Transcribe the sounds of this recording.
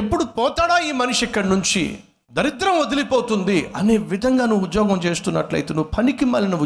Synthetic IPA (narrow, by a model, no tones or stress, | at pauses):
epːuɽupɔːt̪aːɽaːiːmɐnuʂikːɐɽnuɲt͡ʃḭ | d̪ɐɾit̪ɾɐmod̪ilipoːt̪und̪iɐne̞ːʋid̪ʱɐŋɡaːnuʋud̪jɔːɡɐmt͡ʃe̞ːst̪unːɐ̰ʈlɐ̰jt̪eːnuʋupʰɐnikimɐlɐnuu